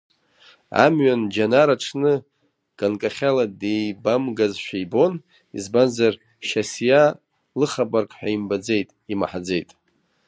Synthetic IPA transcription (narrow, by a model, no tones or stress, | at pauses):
a̰mɥand͡ʒanaɾaʈ͡ʂʰnɨ | ɡ̥ankʼaχʲaladejbamɡazʃᶣajbo̞n | izbanzar | ʃasja | lɨχabarkʼħʷᶣaimbad͡ze̞jtʼima̰ħad͡zejtʼ